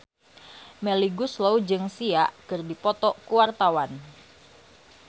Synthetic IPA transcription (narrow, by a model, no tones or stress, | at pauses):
meliɡuslowd͡ʒɨŋsiaʔkɨrdipɔt̪ɔkuwart̪awan